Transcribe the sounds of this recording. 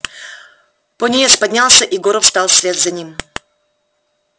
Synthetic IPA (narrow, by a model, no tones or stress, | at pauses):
ponʲejaspɐdʲnʲalˠsʲəʔiɡoɾəfst̪ɑlˠsʲvʲet̪zɐnʲim